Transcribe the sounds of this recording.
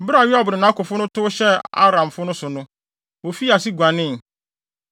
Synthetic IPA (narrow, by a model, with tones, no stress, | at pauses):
bɾa˨ɥi˦a˨bʊ˨ɾɪ˨nã˦kʊ˨fʊ˦nʊ̃˦tʰʊ˦ɕɛ˦a̰˦ɾã˨m˨fʊ˦nʊ̃˦sʊ˨nʊ̃˦ | wo˨fi˦a˨si˦ɡʷã˨nɪ̃˦˨